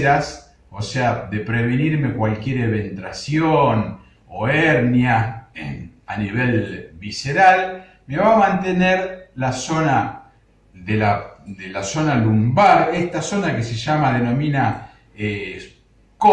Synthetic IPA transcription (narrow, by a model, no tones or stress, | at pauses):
ɾas | oseaðe̞pɾeβeniɾme̞kwalkje̞ɾeβent̪ɾasjon | oeɾnja | aniβelβiseɾal | me̞βamãnt̪e̞neɾlaso̞na | ðelad̪elaso̞nalumbaɾest̪aso̞nakeseʒamaðe̞nõ̞mĩna | e | ko